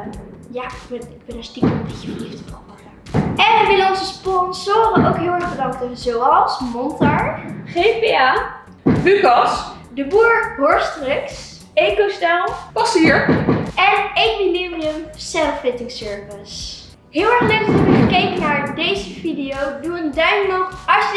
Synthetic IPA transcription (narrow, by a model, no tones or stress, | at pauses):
jaːɪɡbɛnɪɡ̚bɛnəstikəəbeəfəliftəbɔɔəɛnəmɪlɑnsəspɔnsoːɾənowkɦɪːlˠɛɹχbədɑŋk̚təzowɑlˠsmɔntaɹχepea | lykɑs | dəbuːɹɦɔɹstrɪks | ejkostalˠpɑsiɹɛnɪkminimiəmsɛlfɪtɪŋsøɹvəs | ɦɪːlˠɛɹχnøktfɔəfəkejkənaːɹdejzəvidijowduəndœɥnnɔtɑs